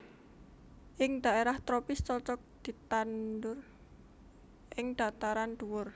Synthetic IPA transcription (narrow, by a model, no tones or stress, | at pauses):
ʔɪŋd̪̥a̤eɾaht̪ɾɔpɪst͡ʃɔt͡ʃɔk̚d̪̥i̤t̪andʊr | ʔɪŋd̪̥a̤t̪aɾand̪̥uwʊr